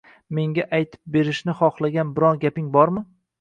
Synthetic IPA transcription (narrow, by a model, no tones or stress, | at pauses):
me̞ŋɡʲaʔajt̪ʰɪ̥p̚be̞ɾɪʃnɪχɒχlˠaɡʲanbɪɾɒnɡʲapɪŋbɒɾmɪ